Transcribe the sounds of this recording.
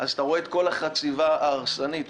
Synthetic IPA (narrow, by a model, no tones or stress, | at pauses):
ʔazat̪aʁoe̞ːt̪̚ko̞laχat͡sivaaːʁsanit̪